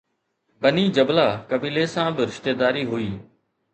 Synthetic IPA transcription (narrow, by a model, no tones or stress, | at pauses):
bəniːd͡ʒəblaːkəbiːleːsãbɪɾɪʃt̪eːd̪aːɾiːɦʊiː